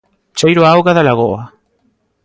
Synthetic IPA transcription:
t͡ʃajɾoawɣaðalaɣoa

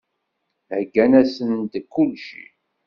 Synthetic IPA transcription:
hɡːænæsənnt̪kːulʃḭ

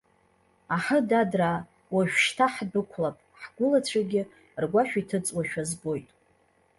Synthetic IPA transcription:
aħədadra | waʒᶣʷʃtʰaħdɨkʷʰlapʼħɡʷʊlat͡ɕʷʰaɡʲɪ | rɡʷaʃᶣitʰɨt͡sʼwaʃᶣazbo̞jtʼ

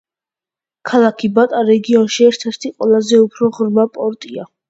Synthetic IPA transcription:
kʰalˠakʰibat̪ʼaɾɛɡiɔnʃiɛɾt̪ʰɛɾt̪ʰiqʼwɛlˠazɛupʰɾɔʁɾmapʼɔɾt̪ʼia

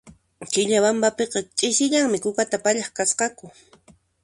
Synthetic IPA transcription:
kɪʎaβambapeqɑt͡ʃʼɪsɪʎaŋmɪkʊkat̪apaʎɑχkasqɑkʊ

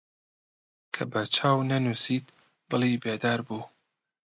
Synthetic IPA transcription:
kʰɐbɐt͡ʃʰaːwnɐnuːsit̪ | b̥ɨlˠibeːd̪aːɾbuː

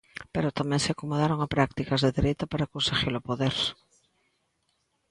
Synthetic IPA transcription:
peɾot̪amɛ̃ŋseakomoðaɾoŋapɾak̚t̪ikazðeðeɾejt̪apaɾakonseɣilopoðeɾs

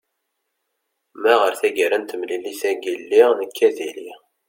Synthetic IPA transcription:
mæʁəɾθæɡəɾənt̪əmlilisæɡilːinəkʰːæðili

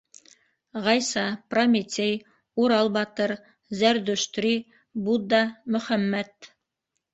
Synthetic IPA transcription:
ʁɑjsɑpromʲit̪ʲej | uɾɑlˠbɑt̪ɤɾ | zæɾd̪ɵ̆ʃt̪ɾi | bud̪ɑmɵ̆χæmːæt̪

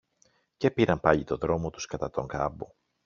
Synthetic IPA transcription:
ce̞piɾɐmpɐʎit̪o̞ðɾo̞mo̞t̪uskɐt̪ɐt̪o̞ŋkɐbo

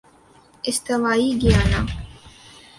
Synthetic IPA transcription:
ɪst̪əʋaːiːɡɪjaːnaː

